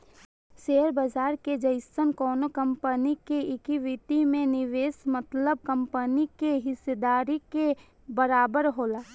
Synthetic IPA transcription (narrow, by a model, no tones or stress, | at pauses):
ʃeːəɾbəd͡ʒaːɾked͡ʒɐɪsənkɔːnokɐ̃mpənikeɪkiʋɪt̪imẽnɪʋeːsmət̪ləb̚kə̃mpənikeɦɪsed̪aːɾike | bəɾaːbəɾɦoːlaː